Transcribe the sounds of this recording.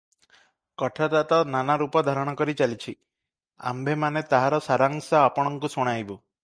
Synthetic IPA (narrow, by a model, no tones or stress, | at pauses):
kɔʈʰat̪at̪ɔnanaɾupɔd̪ʱaɾɔɽ̃ɔkɔɾit͡ʃalit͡ʃʰi | a̰mbʱemanet̪aɦaɾɔsaɾaŋsaapɔɽ̃ɔŋkusoɽ̃aibu